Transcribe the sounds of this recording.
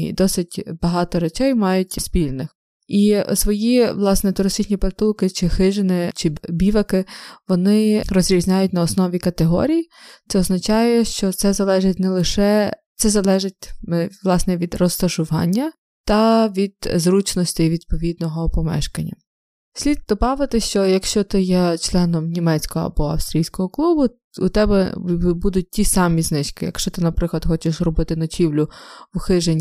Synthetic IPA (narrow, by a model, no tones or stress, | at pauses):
d̪ɔsɪtʲbɐɦɑt̪ɔɾɐt͡ʃɛjmɑjʊtʲsʲpʲilʲnɪx | isʋɔjiʋlˠɑsnɛt̪ʊɾɐsit͡ʃnʲiprt̪ulˠkɪt͡ʃɪxɪʒɪnɪt͡ʃɪbʲiʋɐkɪʋɔnɪrɔzɾʲizʲnʲajʊtʲnɐɔsnɔʋʲikɐt̪eɦɔ̰ɾʲijt̪sɛɔznɐt͡ʃɑjɛʃt͡ʃɔt̪sɛzɐlˠɛʒɪtʲnɛlˠɪʃɛt̪sɛzɐlˠɛʒɪtʲmʋlˠɑsnɛʋʲid̪rɔst̪ɐʃʊʋɑ̰nʲːɐ | t̪ɐʋʲid̪̥zɾut͡ʃnɔsʲtʲɪjʋʲid̪̚pɔʋʲid̪̚nɔɦɔpɔmɛ̰ʃkɐnʲːɐ | sʲlʲid̪̚d̪ɔbɑʋɪt̪ɪʃt͡ʃɔjɐkʃt͡ʃɔt̪ɪjɛt͡ʃlˠɛnɔmnʲimɛt͡sʲkɔɦɔ̰ɐ̰bɔɐ̰wst̪ɾʲijsʲkɔɦɔklˠubʊ | ʊ̰t̪ɛbɛbud̪ʊt̚ʲtʲisɑmʲiznɪt͡ʃkɪ̰jɐ̰kʃt͡ʃɔt̪ɪnɐpɾɪklˠɐd̪xɔt͡ʃɪʃzrɔbɪt̪ɪnɔt͡ʃʲiwlʲʊwʊxɪʒenʲ